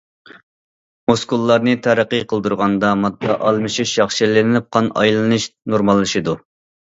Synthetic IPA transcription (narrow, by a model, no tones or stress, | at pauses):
moskulˠːɑɾnɨt̪ʰæɾəqːɨqʰəlˠd̪uɾʁɑnd̪ɑmɑt̪ʰːɑʔɑlˠmɨʃiʃjɑχʃilɪnɪnɪp̚qʰɑnɑ̰jlˠɨnɨʃnoɾmɑlˠːɨʃid̪u